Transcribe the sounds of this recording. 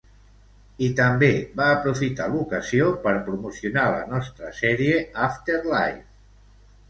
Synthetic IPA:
it̪əmbeβaːpɾufit̪alukəziopəɾpɾumusiunalə̰nɔst̪ɾəsɛɾieaft̪eɾla̰jf

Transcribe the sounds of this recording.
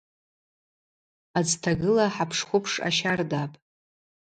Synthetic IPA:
ad͡ztʰaɡɨlaħapʰʂχʷʊpʰʂa̰ʃardapʼ

